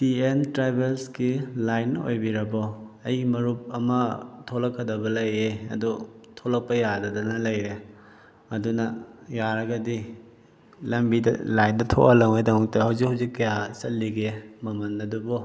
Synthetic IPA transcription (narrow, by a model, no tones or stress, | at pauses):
tientɾajbelskilajnːɐʔo̰jbiɾɐbɔɐjimɐɾup̚ɐmɐtʰolɐkʰːɐdɐbɐlɐjeɐ̰dutʰolɐk̚pɐjadɐdɐnɐlɐjɾe | ɐdunɐjaɾɐɡɐdi | lɐmbidɐ̰lajndɐtʰo̰ʔɐlɐŋejdɐŋuk̚tɐhɐwzik̚hawzikːɐjasɐtlːiɡemɐmɐnːɐdubɔ